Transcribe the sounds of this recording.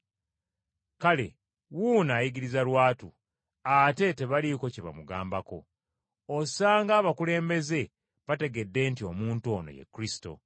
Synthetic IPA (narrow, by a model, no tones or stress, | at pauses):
kale̞̰ | wunaːjiɡiɾizalwaːtu | ate̞te̞βaliko̞ceβa̰muɡa̰ːmbako̞̰ | osaːŋɡaːβakule̞ːmbe̞ze̞ | βate̞ɡe̞dːe̞ntio̞̰muːntuo̞no̰je̞̰kːɾisi̥to̞̰